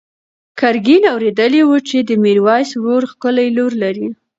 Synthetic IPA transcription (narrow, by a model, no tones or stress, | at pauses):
kaɾɡinawɾed̪əliwut͡ʃed̪əmiɾwɑjsɾoɾxkəlajloɾlaɾi